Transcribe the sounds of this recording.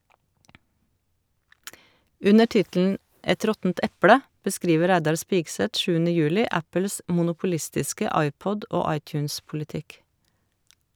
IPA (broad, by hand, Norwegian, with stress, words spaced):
ˈʉnə ˈʈɪtl̩n̩ ˈɛt ˈɾɔtn̩t ˈɛplə bəˈskɾiːʋə ˈɾæɪdɑɾ ˈspɪɡsɛt ˈʃʉːənə ˈjʉːlɪ ˈæpl̩s mʊnʊpʊˈlɪstɪskə ˈɑɪˌpɔd ˈoː ˈɑɪˌtjʉːnspʊlɪˌtɪk